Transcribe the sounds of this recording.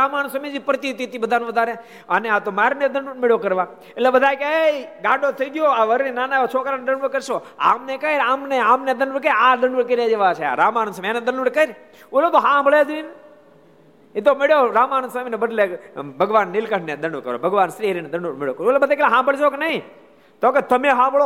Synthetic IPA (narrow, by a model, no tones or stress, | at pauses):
ɾaːmaːnsəmĩd͡ʒipɾət̪it̪iːt̪iːbəd̪ʱaːnũːʋəd̪aːɾeː | əneãːt̪oːmaːɾned̪əɳɖumɪɭjoːkəɾʋaː | ɪlebəd̪ʱaːjkeɡãːɖoːt̪ʰəiːɡɪjoːaːʋəɾnĩnaːnaːot͡ʃʰoːkɾaːned̪əɳɖəɾkəɾʃoː | a̰ːmnekəɾaːmneaːmned̪ənɖʋuɾkəãːd̪əɳɖuk̬əɾjaːd͡ʒeʋaːt͡ʃʰḛa̰ɾaːmaːnsəmeːnẽd̪ənɖʋəɽkəɾ | olot̪oɦãːbʱəɭed̪iːn | it̪̬omɪɭjoːɾaːmaːnəsəmnebəd̪lebʱəɡʋaːnːɪlkəʈned̪əɳɖʋəkəɾo̰ːbʱəɡʋaːnsɾiːɦɾined̪əɳɖʋuɾmɪɭjoːkəɾolebəd̪ajkeleɦãːbəɭd͡ʒoːkenɐĩ | t̪oket̪əmẽɦãːbʱəɭoː